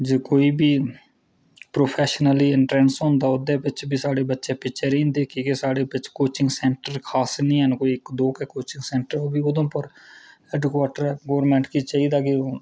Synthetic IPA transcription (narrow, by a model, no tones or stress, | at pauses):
d͡ʒeːkoːiːbiː | pɾoːpʰɛːʃnəliːɪɳʈɾɛ̃ːnsɦɔ̃ːnd̪aːʊd̪ẽːpɪt͡ʃbiːsaːɽeːbətːʃẽːpɪt͡ʃeɾĩːnd̪eːkikesaːɽeːpɪt͡ʃkoːt͡ʃɪŋɡsɛ̃ːɳʈəɾkʰaːsnĩːɦɛnkoːiɪkd̪oːkekoːt͡ʃɪ̃ŋɡsɛ̃ːɳʈəɾobiːod̪õːpəɾ | ɛːɖkwaːʈəɾɛɡoːɾmẽːɳʈkiːt͡ʃaːiːd̪aːkio